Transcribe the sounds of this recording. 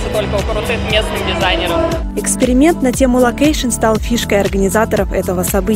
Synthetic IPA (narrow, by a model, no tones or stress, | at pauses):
sʲət̪o̞lʲkəʊkɾʊt̪ɨxmʲe̞snɨmdʲɪzajnʲɪɾəm | ɪkspʲɪɾʲɪmʲe̞nt̪nɐtʲe̞mʊlˠɐkejʂɨnst̪alˠfʲiʂkəjɐrɡənʲɪzat̪əɾəfɛt̪əvəsɐbɨ